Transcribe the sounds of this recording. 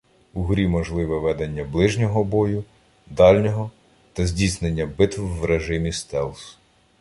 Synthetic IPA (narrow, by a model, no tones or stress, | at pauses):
uɦɾʲimɔʒlˠɪʋɛʋɛd̪enʲːɐblˠɪʒnʲɔɦɔbɔjʊ | d̪ɑlʲnʲɔɦɔ | t̪ɐzʲdʲisnenʲːɐbɪt̪ʋʋɾeʒɪmʲist̪ɛlˠs